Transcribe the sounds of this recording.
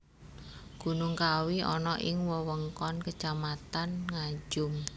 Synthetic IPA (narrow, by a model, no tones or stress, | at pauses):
ɡ̥unuŋkawiɔnɔʔɪŋwəwəŋkɔnkət͡ʃamat̪anŋḁd͡ʒʊm